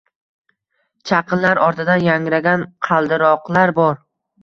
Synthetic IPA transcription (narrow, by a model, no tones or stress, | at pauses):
t͡ʃʰɑqʰɨnlaɾɒɾt̪ʰɪd̪anjaŋɾaɡʲanqʰɑlˠd̪ɪɾɒqlˠaɾbɒɾ